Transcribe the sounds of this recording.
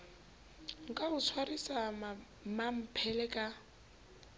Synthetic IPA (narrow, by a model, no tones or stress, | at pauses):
ŋ̩kʼaʊt͡sʰwarisa | mam̩pʰɛlɛkʼa